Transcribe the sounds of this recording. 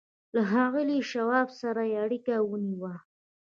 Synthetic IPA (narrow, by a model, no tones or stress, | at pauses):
laɦɑɣəliʃawɑbsaɾajeaɽikawəniwa